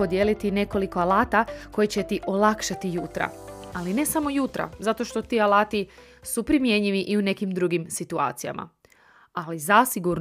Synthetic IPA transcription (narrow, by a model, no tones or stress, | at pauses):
o̞d̪je̞lit̪ine̞ko̞liko̞alaːt̪ako̞jit͡ɕe̞t̪iʔo̞lakʃat̪ijut̪ɾa̰aline̞samo̞jut̪ɾa̰zat̪o̞ʃt̪o̞t̪iːalaːt̪i | supɾimje̞ɲiʋiʔiune̞kimd̪ɾuɡimsit̪ua̰ːt̪sija̰mʔa̰ | alizasiɡuɾn